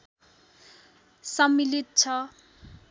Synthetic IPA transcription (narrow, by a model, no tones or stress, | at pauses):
sʌmːilit̪̚t͡sʰʌ